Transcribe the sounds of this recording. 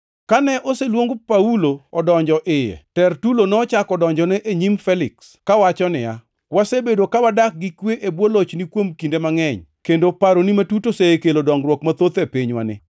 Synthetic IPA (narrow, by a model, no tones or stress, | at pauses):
kanɛʔoselwoŋɡopauloɔdɔɲd͡ʒɔʔɪjɛ̰tɛrtulonɔːt͡ʃakɔdɔɲd͡ʒɔnɛʔeɲimfɛlɪks | kawat͡ʃɔnɪja̰ | wasebedokawadak̚ɡɪkweʔebwolot͡ʃnikwomkindemaŋɛɲkendopaɾonimatutoseekelodɔŋɡɾwɔkmat̪ot̪epiɲwa̰nɪ̰